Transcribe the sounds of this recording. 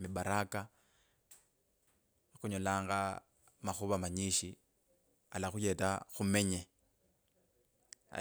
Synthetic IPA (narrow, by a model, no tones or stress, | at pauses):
mibaɾaka | xuɲolaːŋɡa | maxuβamaɲiʃi | a̰laxujetaxumeɲe